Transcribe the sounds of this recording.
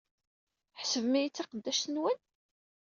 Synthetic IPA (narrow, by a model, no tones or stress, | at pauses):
ħsəvmijit͡sːiqəd̪ːæʃt̪ənwən